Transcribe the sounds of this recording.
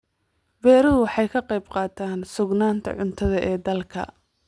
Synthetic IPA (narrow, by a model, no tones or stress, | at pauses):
bɛːɾɐðʊwɑħɑjkʰɐqɑjbqɑːt̪ʰaːnsʊɡnaːnt̪ʰɐ̰ʕʊnt̪ʰɐðɐʔɛːd̪ɐlkʰɐ̰